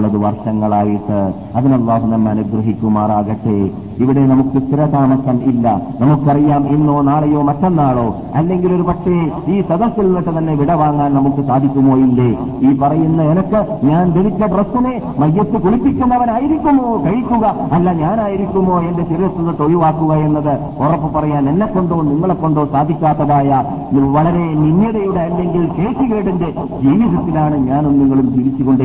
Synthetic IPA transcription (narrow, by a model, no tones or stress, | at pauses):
ɭːɐðɨʋɐrʂɐŋːɐɭaːjiʈːɨ | ɐðinɐlˠːaːɦunɐmːeɐɐnuɡrɐɦikʲːumaːraːɣɐʈːḛ | iʋiɽe̞nɐmukːɨst̪iɾɐt̪aːmɐsɐmilːɐ̰nɐmukːɨɐrijaːme̞nːoːnaːɭɐjo̞ːmɐtːe̞nːaːɭo̞ː | ɐlːe̞ŋɡilo̞ɾupɐʈːeiːsɐd̪ɐsːilnːiʈːet̪ɐnːe̞ʋiɽɐʋaːŋːaːnnɐmukːɨsaːd̪ʱikʲːumːoːilːe | iːpɐrɐjunːɐenɐkːɨɲaːnd̪eɽikʲːɐɖrɐst̪ːine | mɐjːɐt̪ːɨkuɭipːikʲːunːɐʋɐnaːjiɾikʲːunːukɐɻikʲːuɣɐ | ɐlːaːɲaːnaːjiɾikʲːumːo̞ːe̞nde̞t͡ɕirijɐst̪ːunːɨt̪oɻuʋaːkːuɣɐe̞nːɐðɨ | orɐpːɨpɐrɐjaːnenːekːo̞ɳɖoːniŋːɐɭekːo̞ɳɖo̞ːsaːd̪ʱːikʲːaːt̪ːɐðaːja | ʋɐɭɐɾe̞ninːjɐðɐjuɽeɐlːe̞ŋɡilke̞ːsiɣeːɽende̞ | d͡ʑiːʋiðɐt̪ːilaːɳɨɲaːnumniŋːɐɭumt̪iɾit͡ɕːukːoɳɖ